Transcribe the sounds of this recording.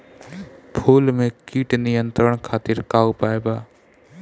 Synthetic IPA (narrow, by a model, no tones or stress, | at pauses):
pʰuːlmẽkiːʈnɪjə̃nt̪ɾəɳ̃kʰaːt̪ɪɾkaːupaːebaː